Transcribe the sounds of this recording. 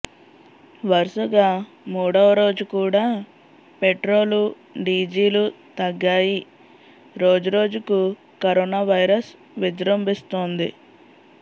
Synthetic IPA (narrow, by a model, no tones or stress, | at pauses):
ʋɐɾʂuɡaː | muːɽɐʋɐɾo̞ːd͡ʒukuːɽaː | peʈɾo̞ːlu | ɖiːd͡ʒiːlut̪ɐɡːaːji | ɾo̞ːd͡ʒuɾo̞ːd͡ʒuku | kɐɾoːnaːʋɐjɾɐs | ʋid͡ʒɾɐmbist̪oːnd̪ḭ